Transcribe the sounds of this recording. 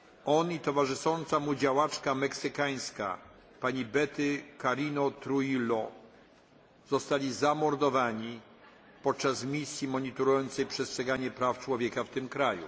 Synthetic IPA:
ɔnit̪ɔvaʐɘʂɔnt̪samud͡ʑawat͡ʂkamɛksɘkaj̃ska̰ | paɲibɛt̪ɘkaɾinɔt̪ɾujilɔ | zɔst̪alʲizamɔɾd̪ɔvaɲi | pɔt̪̚t͡ʂasmʲisʲjimɔɲit̪ɔɾujɔnt̪sɛjpʂɛstʂɛɡaɲɛpɾaft͡ʂwɔvʲjɛkaft̪ɘmkɾajṵ

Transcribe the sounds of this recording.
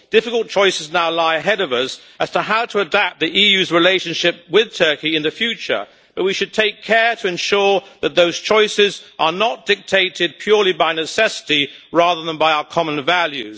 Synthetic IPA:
d̥ɪfɨklˠt̚t͡ʃʰɔɪsɨznaʊlaɪɨɦɛɾʌvʌs | ʔɨz̥tʰəɦaʊɾəədæp̚t̪̚ðiʔijʉzɹɨleɪʃɨ̃nʃɪp̚wɪð̥tʰɜ˞kiɨ̃nðɨfjʉt͡ʃə̰˞ | b̥ʌt̚wiʃɨd̚tʰeɪkʰɛɹɾɨɨ̃nʃʊɹðɨt̪̚ðoʊz̥t͡ʃʰɔɪsɪzʔə˞nət̚d̥ɪk̚tʰeɪɾɨd̚pʰj̥ʊɹlˠibaɪnɨsɛsɨ̥ɾiɹɑðə˞ðə̃nbaɪaʊə˞kʰɑmə̃nvælˠjʉ̰z̥

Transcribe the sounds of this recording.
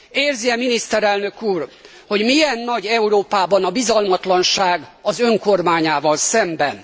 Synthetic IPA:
eːrziɛminist̪ɛɾɛlnø̞kuːr | ho̞ɟmijɛnːɒɟɛuɾoːpaːbɒnɒbizɒlmɒt̪lɒnʃaːɡɒzø̞ŋko̞rmaːɲaːvɒlsɛmbɛn

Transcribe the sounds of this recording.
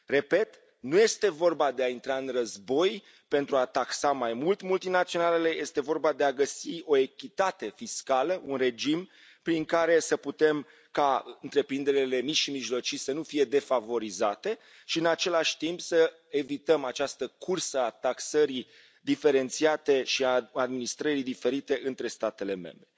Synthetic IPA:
re̞pe̞t̪ | nuje̞st̪e̞vo̞rbad̪e̞aint̪ɾaɨnrəzbo̞j | pe̞nt̪ɾuat̪aksamajmult̪mult̪inat̪sio̞nale̞le̞je̞st̪e̞vo̞rbad̪e̞aɡəsio̞e̞kʲit̪at̪e̞fiskaləʔunre̞d͡ʒim | pɾiŋkaɾe̞səput̪e̞m | kaɨnt̪ɾe̞pɾind̪e̞ɾele̞mit͡ʃʃimiʒlo̞t͡ʃisənufije̞d̪e̞favo̞ɾizat̪e̞ | ʃiɨnat͡ʃe̞laʃʲt̪impsə | e̞vit̪əmat͡ʃast̪əkʰursəat̪aksəɾi | d̪ife̞ɾe̞nt̪siat̪e̞ʃiaad̪minist̪ɾəɾid̪ife̞ɾit̪e̞ʔɨnt̪ɾe̞st̪at̪e̞le̞mẽ̞̰mbɾe

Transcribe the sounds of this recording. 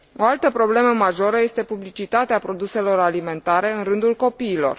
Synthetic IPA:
o̞alt̪əpɾo̞ble̞məmaʒo̞ɾəje̞st̪e̞publit͡ʃit̪at̪eapɾo̞d̪use̞lo̞ɾalime̞nt̪aɾe̞ɨnrɨnd̪ulko̞piːlo̞̰r

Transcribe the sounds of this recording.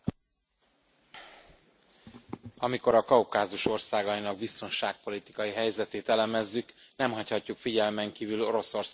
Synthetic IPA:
ɒmiko̞ɾɒkɒukaːzuʃo̞rsaːɡɒinɒɡ̚bist̪o̞nʃaːk̚po̞lit̪i̥kɒjiɦɛjzɛt̪eːt̪ɛlɛmɛzːyknɛmɦɒchɒcːukfiɟɛlmɛŋkiːvylo̞ɾo̞so̞rs

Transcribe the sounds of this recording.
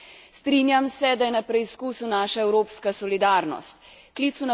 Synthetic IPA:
st̪ɾiːnjamsɛd̪ajɛnapɾɛiskuːsunaːʃaɛwɾoːpskasɔlid̪aːɾnɔ̰st̪ | kliːt̪suna

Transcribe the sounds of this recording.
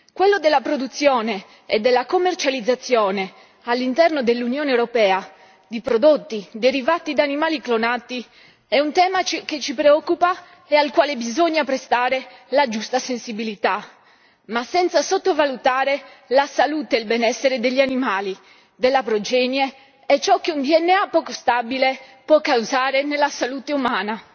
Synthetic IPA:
kwelːod̪elːapɾod̪ut̪sːjɔːne | ɛd̪ːelːakomːert͡ʃalid̪zːat̪sːjɔːne | alːint̪ɛrnod̪elːunjɔːnewɾopɛːa | d̪ipɾod̪ot̪ːid̪eɾivat̪ːid̪animaːliklonat̪ːi | ɛunt̪ɛːmaket͡ʃːipɾeɔkːupa | ealkwaːlebizoɲːapɾest̪aːɾelad͡ʒust̪asensibilit̪a | masːɛnt̪sasot̪ːovalut̪aːɾe | lasalut̪eilbɛnɛsːeɾed̪eʎːianimaːli | d̪elːapɾod͡ʒɛnje | ɛt͡ʃːɔk̟ːeund̪iɛnːeapːɔːkost̪abilepɔkːauzaːɾenelasalut̪eumaːna

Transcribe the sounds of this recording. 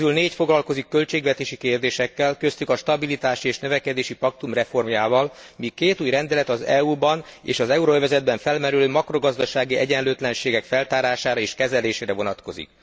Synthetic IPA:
ylneːcfo̞ɡlɒlko̞zikːø̞lt͡ʃeːɡʋɛt̪eːʃikeːrd̪eːʃɛkːɛlkø̞st̪ykɒʃt̪ɒbilit̪aːʃieːʃnøvɛkɛd̪eːʃipɒk̚t̪umrɛfo̞rmjaːvɒlmikeːt̪uːjrɛnd̪ɛlɛt̪ɒzɛubɒn | ḛːʃɒzɛuɾoøvɛzɛd̪̚bɛɱfɛlmɛɾyløːmɒkro̞ɡɒzd̪ɒʃaːɡiɛɟɛnløːt̪lɛnʃeːɡɛkfɛlt̪aːɾaːʃaːɾɒeːʃkɛzɛleːʃeːɾɛvo̞nɒt̪ko̞zḭk̚

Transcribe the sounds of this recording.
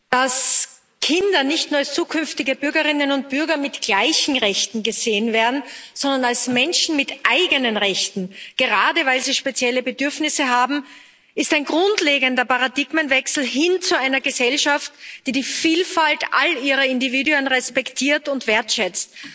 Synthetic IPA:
d̥as | kʰɪndɐnɪçtnuɐalst͡suːkʰʏnftɪɡəb̥ʏɐɡəʁɪnənʊnt̚b̥ʏɐɡɐmɪtɡ̥laɪçn̩ʁɛçtn̩ɡəz̥eːənveːɐdn̩z̥ɔndɐnalsmɛnʃn̩mɪtʔaɪɡənənʁɛçtn̩ɡ̥əʁaːdəvaɪlziːʃpet͡sjɛləbədʏɐfnɪsəɦaːbm̩ | ɪstæɪnɡʁʊntleːɡəndɐpaʁadɪɡmənvɛksl̩ɦɪnt͡suaɪnɐɡəzɛlʃaftd̥iːdiːfiːlfaltʔa̰liːʁɐɪndiviːduənʁɛspɛktʰiːɐtʊntv̥eːɐtʃɛt͡st̚

